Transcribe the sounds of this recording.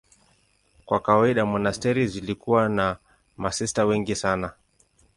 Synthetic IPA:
kwakawaiɗamɔnastɛɾizilikuwana | masɛstawɛŋɡisana

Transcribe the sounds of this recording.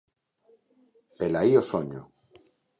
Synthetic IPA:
pelaiosoɲo

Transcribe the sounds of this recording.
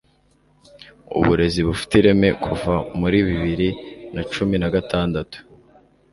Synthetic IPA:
ṵβuɾe̞ziβufi̥tiɾe̞me̞kʰuvamuɾiβiβiɾinat͡ʃuminaɡataːndatu̥

